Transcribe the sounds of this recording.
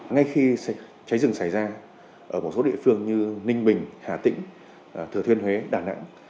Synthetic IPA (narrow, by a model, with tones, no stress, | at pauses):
ŋa˧jxi˧ | t͡ɕa˨˦jzɨ˧˩ŋsa˧˩jzaː˧ | ʔəː˧˩mo˨˩t̚so˨˦ɗḭ˧əfɨ˧əŋɲɨ˧nï˧ŋ̟ɓï˨˩ŋ̟haː˧˩t̪ï˧˥ŋ̟˨˩ | t̪ʰɨ˨˩ət̪ʰwi˧ənhwe˨˦ɗaː˧˩na̰ː˧˥ŋ